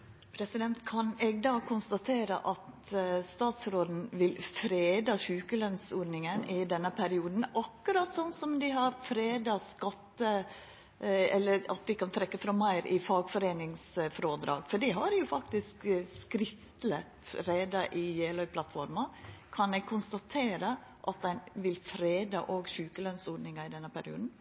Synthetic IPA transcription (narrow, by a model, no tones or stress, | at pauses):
pʰɾɛsɪd̪ɛnt̪kʰɑnɛɡ̚d̪ɑːkʰʊnst̪ɑt̪ʰeːɾə̰ʔɑt̪ | st̪ɑːt̪sɾoːd̪n̩ʋɪlfɾeːd̪ɑʃʉːkəlœnsoːɾnɪŋənʔɪd̪ɛnːəpʰæɾɪuːd̪n̩ɑkːʉɾɑt̪sɔnːsɔmd̪ɪɦɑɾfɾeːd̪ɑskɑt̪ːə | ɛ̰lːəɾɑ̰t̪ʋɪkɑnt̪ʰɾɛkːəfɾɑmæɪɾʔɪfɑːɡfɔɾeːnɪŋsfɾoːd̪ɾɑ̰ːɡfɔɖɪɦɑɾjʊfɑkt̪ɪskskɾɪft̪lə | ɾeːd̪ɑʔɪjeːlœʏpʰlɑt̪fɔɾmɑkʰɑnɛɡ̚kʰʊnst̪ɑt̪ʰeːɾə | ʔɑt̪̚d̪ɛnʋɪlfɾeːd̪ɑʔoːɡʃʉːkəlœnsoːnɪŋɑɪd̪ɛnːəpʰæɾɪṵːd̪n̩